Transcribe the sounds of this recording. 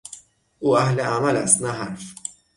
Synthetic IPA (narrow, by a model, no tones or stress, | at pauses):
uɐħlɛɐmɐlɐ̰snɐħɐɾf